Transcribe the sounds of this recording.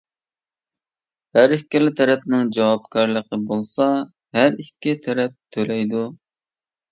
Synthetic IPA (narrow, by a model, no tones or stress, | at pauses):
hæɾɪkʲːɪlɪt̪ʰɛɾɛpnɪŋd͡ʒɑwɑpkʰʲɑɾlˠəqəbolˠsɑ | ɦæɾikʲːit̪ʰɛɾɛp̚t̪ʰːølɛjd̪u